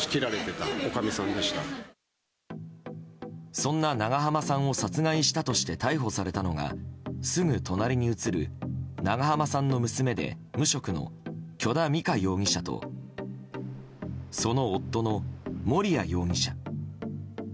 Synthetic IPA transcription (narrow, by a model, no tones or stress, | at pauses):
si̥kʲiɾaɾet̪e̞t̪aokamʲisãnd̪e̞ɕi̥t̪a | sõ̞nːanaɡaɦamasãɰ̃o̞sat͡sɨɡaiɕi̥t̪at̪o̞ɕi̥t̪e̞t̪aiɦo̞saɾe̞t̪ano̞ɡa̰sɨŋɯ̟t̪ʰo̞naɾʲiɲ̟iɯ̟t͡sɨɾɯ̟̰naɡaɦamasãnːo̞mɯ̟sɨme̞d̪e̞̰mɯ̟ɕo̞kɯ̟no̰kʲo̞d̪amʲikajo̞ːŋ̟ʲĩɕat̪o̞̰ | so̞no̞ːt̪ːo̞no̞mo̞ɾʲiajo̞ːŋʲiɕa